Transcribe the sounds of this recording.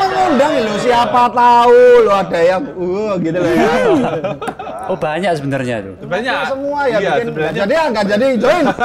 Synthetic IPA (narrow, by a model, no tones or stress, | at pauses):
əŋundaŋilosiapat̪auloadajauɡit̪ulaia | obaɲaksəbənərɲa̰t̪ṵ | aʔsəmuajamikɪnɡad͡ʒadiaŋɡaʔd͡ʒadid͡ʒoɪn